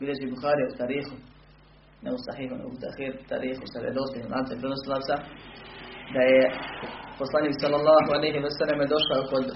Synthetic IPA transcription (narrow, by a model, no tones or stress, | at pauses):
ʋilʎʲeʒibuxaːɾijaut̪aːɾiːxu | neusa̰ħiːɦunḛɡut̪a̰xiːɾt̪a̰ːɾiːxusaɾḛd̪ost̪ilaːnt̪apɾenosilˠaːt̪sa | d̪aje | poslˠaniːksalːalːaːɦualejɦewasalamed̪o̞ʃaokod̪